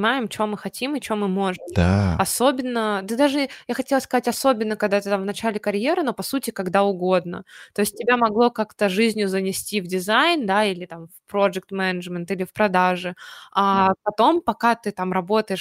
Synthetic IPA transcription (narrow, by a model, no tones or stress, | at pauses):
majɪmt͡ɕɪvo̞mɨxɐtʲimɨt͡ɕɪvomɨmo̞ʐɨmd̪̥aɐso̞bʲɪnːəd̪ɨd̪aʐɨjaxɐtʲelˠəskɐzatʲɐso̞bʲɪnːəkɐɡd̪at̪ɨt̪amvnɐt͡ɕalʲɪkɐɾʲje̞ɾɨno̞pɐsutʲɪkɐɡd̪aʊɡo̞d̪nə̰t̪o̞ɪsʲt̚ʲtʲːɪbʲamɐɡlˠo̞kakt̪əʐɨzʲnʲjʊzənʲɪsʲtʲivdʲɪzajnd̪ailʲɪt̪amfpɾod͡ʒɨk̚t̪mɛnəʐmʲɪnt̪ilʲɪfpɾɐd̪aʐɨapɐt̪o̞mpɐkat̪ɨt̪amɾɐbo̞t̪əjɪʂ